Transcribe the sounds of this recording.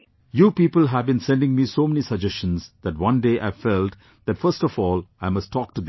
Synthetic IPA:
juːpiːpəl̩ɦæʋbĩnsɛ̃nɖɪ̃ŋmisoːmɛnisəd͡ʒɛst͡ʃə̃nzd̪æʈwʌ̃nɖeːʔaɪfɛlʈ | d̪ætfəɾstɔfɔːlaɪmʌstʈʰːɔːk̚ʈud̪

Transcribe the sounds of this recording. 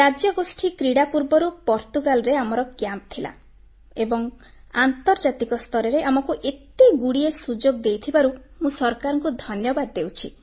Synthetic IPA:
ɾad͡ʒjɔɡosʈʰikɾiɽapuɾbɔɾupɔɾt̪uɡalɔɾeamɔɾɔɡjamt̪ʰila̰ | ebɔŋ | ant̪ɔɾd͡ʒat̪ikɔst̪ʰɔɾɔɾeʔamɔkuʔet̪iɡuɽiesud͡ʒoɡd̪ejt̪ʰibaɾumũsɔɾkaɾɔŋkud̪ʱɔnjɔbad̪ːewt͡ʃʰi

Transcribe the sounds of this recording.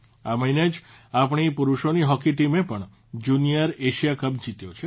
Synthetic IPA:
aməɦined͡ʒ | apɳ̃ipuɾuʃoniɦɔkiʈimepəɳ | d͡ʒunijəɾeʃijakəp̚d͡ʒit̪jot͡ʃʰe

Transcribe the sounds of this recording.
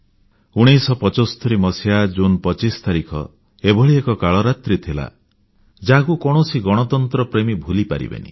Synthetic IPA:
uɽ̃ejsɔpɔt͡ʃɔsɔ̥t̪ʰɔɾimɔsjad͡ʒunpɔt͡ʃist̪aɾikʰɔ̰ | ebʱɔɭiekɔkaɭɔɾat̪ɾit̪ʰila̰ | d͡ʒakukɔɽ̃ɔsiɡɔɽ̃ɔt̪ɔnt̪ɾɔpɾemibʱulipaɾḭbḛnḭ

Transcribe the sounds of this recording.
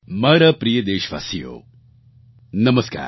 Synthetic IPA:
mɐːɾɐpɾijəd̪eːʃʋa̰ːsijo̰ː | nɐmɐska̰ːɾ

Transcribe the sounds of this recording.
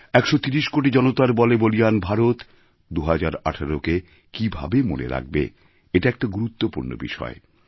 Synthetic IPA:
ɛkʃot̪iɾiʃkoʈ̬id͡ʑɔnot̪aɾbɔlebolijanbʱaɾot̪ | d̪uɦad͡ʑaɾaʈʰaɾoke | kibʱa̰bemo̰nḛɾa̰ɡ̚bḛ | eʈaɛk̚ʈaɡuɾut̪ːopuɾno̰bḭʃɔ̰e

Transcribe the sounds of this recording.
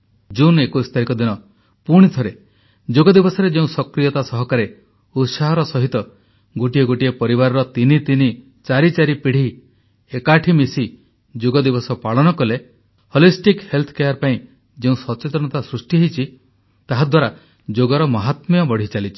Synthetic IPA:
d͡ʒunekoist̪ʰaɾikɔd̪inɔ | puɽ̃it̪ʰɔɾe | d͡ʒoɡɔd̪ibɔsɔɾed͡ʒeũsɔkɾijɔt̪asɔɦɔkaɾe | ut̪saɦɔɾɔsɔɦit̪ɔ | ɡoʈieɡoʈiepɔɾibaɾɔɾɔt̪init̪ini | t͡ʃaɾit͡ʃaɾipiɽ̤i | ekaʈʰimisi | d͡ʒoɡɔd̪ibɔsɔpaɭɔnɔkɔle | hɔlisʈikhelt̪ʰɔ̥kejaɾpaĩ | d͡ʒeũsɔt͡ʃet̪ɾɔɽ̃ɔt̪asɾusʈiɦejt͡ʃʰi | t̪aɦad̪waɾa | d͡ʒoɡɔɾɔmɔɦat̪mijɔbɔɽ̤it͡ʃalit͡ʃʰi̥

